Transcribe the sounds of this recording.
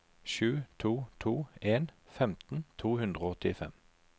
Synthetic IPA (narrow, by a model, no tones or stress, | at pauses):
ʃʉːt̪ʰuːt̪ʰuːeːnfɛmt̪n̩t̪ʰuːhʉnd̪ʁoɔt̪ɪfɛ̰m